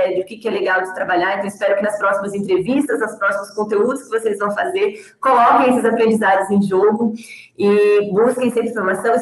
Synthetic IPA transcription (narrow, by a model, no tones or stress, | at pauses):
d͡ʒʊkɪkɪɛleɡawd͡ʒɪt̪ɾabaʎaɾẽt̪ɐ̃w̃ɪspɛɾʊkɪnɐspɾɔsimɐzẽnt̪ɾevist̪ɐznɐspɾɔsimʊskõnt̪eud̪ʊskɪvosezvɐ̃w̃fazeɾ | kolɔkẽj̃ɛsɪzapɾẽnd͡ʒizad͡ʒɪzẽj̃ʒoɡʊ | ɪbuskẽj̃sẽɾĩfoɾmasɐ̃w̃